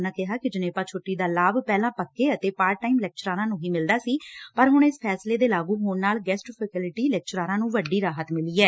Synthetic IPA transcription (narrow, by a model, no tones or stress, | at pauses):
nãːkɪɦaːkɪd͡ʒɪneːpãːt͡ʃʰoːʈːiːd̪aːlaːbpɛːlãːpəkːeːət̪eːpaːɾʈaːiːmlɛːk̚t͡ʃɾaːɾãːnũːɦiːmɪld̪aːsiːpəɾɦʊɳ̃ɪspʰɛːsleːd̪eːlaːɡũːɦʊɳnaːlɡɛːsʈpʰəkɪlɪʈiːlɛːk̚t͡ʃəɾaːɾãːnũːʋəɖːiːɾaːɦət̪mɪliːɛː